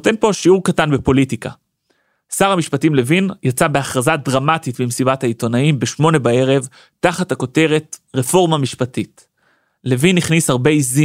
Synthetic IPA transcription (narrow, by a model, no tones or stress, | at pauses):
note̞npo̞ʃiuʁkatanbepo̞litika̰ | saʁhamiʃpatimle̞vinjat͡sabeaχʁazadʁamatitbimsibathaito̞naimbeʃmo̞ne̞bae̞ʁe̞v | taχathako̞te̞ʁe̞tʁefo̞ʁmamiʃpatit | le̞vinːiχnishaʁbe̞izi